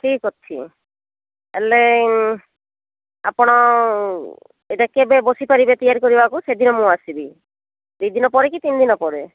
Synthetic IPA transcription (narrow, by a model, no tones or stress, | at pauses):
ʈʰikɔtt͡ʃʰḭ | ele | a̰pɔɽ̃ɔ | eʈakebebosipaɾibet̪ijaɾkoɾibakused̪ʱinɔmũasibi | d̪ujd̪inɔpɔɾekit̪ind̪inɔpɔɾe